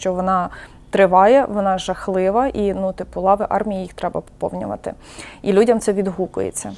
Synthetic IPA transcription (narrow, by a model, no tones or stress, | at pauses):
t͡ʃɔʋɔnɑ | t̪ɾɪʋɑjɛʋɔnɑʒɐxlˠɪʋɐʔinut̪ɪpulˠɑʋɪʔɑ̰rmʲijijixt̪ɾɛbɐ̰pɔ̥pɔ̰wnʲʊ̰ʋɐ̰t̪ɪ̰ | ilʲudʲɐmt̪sɛʋʲid̪ɦukʊ̰jḛt͡sʲːɐ